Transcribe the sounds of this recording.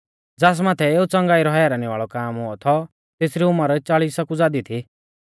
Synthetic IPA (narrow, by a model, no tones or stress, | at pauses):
d͡zaːs̬maːt̪ʰɛeːut͡sɐ̃ŋɡaːiɾɔɦjaɾaːñiʋaːɭɔkaːmɦʊɔt̪ʰɔ | t̪eːsɾiʊmaɾɔt͡ʃaːɭiːsakud͡zaːd̪it̪ʰi